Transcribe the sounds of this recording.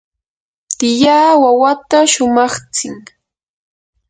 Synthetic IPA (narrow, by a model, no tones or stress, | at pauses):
t̪ɪjaːwawat̪aʃʊmɑχt͡sɪŋ